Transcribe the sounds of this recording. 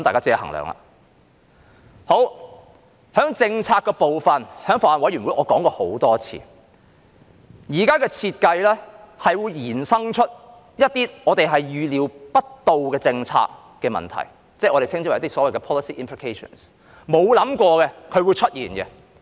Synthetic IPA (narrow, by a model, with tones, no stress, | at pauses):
kɐ˦mt̪aː˨kaː˥t͡siː˧˥ɐ˨ɦɐ̰˨˩ŋlœ̰ː˨˩ŋla̰ː˨˩ | ho˨˥w | hœː˨˥ŋt͡sɪ˧ŋt͡sʰaː˧kːɛ˧po˨wfɐ˨˩nhœː˨˥ŋfɔː˨˩la˨nwɐ˨˥jɥy˨˩nwu˨˥jʔɔː˧kɔː˨˥ŋkɔː˧ho˨˥wt̪ɔː˥t͡sʰḭː˧ | jiː˨˩kaː˥kɛː˧t͡sʰi˧t̚kɐ˧jlɛː˥hɐ˨jwuː˨˧jjiː˨˩nsɐ˥ŋt͡ʃʰɵ˥t̚ | jɐ˥t̚t̪iː˥ɔː˨˧t̪e˨jɦɐ˨jjyː˨˧liː˨˧wpɐ˥t̚t̪o˨wkɛː˧t͡sɪ˧ŋt͡sʰa̰ː˧kː | ɛː˧mɐ̰˨nt̪ʰɐ̰˨˩j | t͡sɛ˥˩ʔɔː˨˧ɾe˨jt̪ʰɪ˥ŋi˥˨˦t̪ːi˥sɔː˨˥wɐ˨jkɛ˧pʰɔː˥lɐ˨˧si˨˥ʔi˥mpʰli˨kʰe˥jʃɔ̰˨˩ns | mo˨˧wlɐ˨˥mkʷɔː˧kɛ˧kʰɵ˨˧ɥwuː˨˧jt͡ʃʰɵ˥t̚ʔjiː˨˩nkɛ̰˧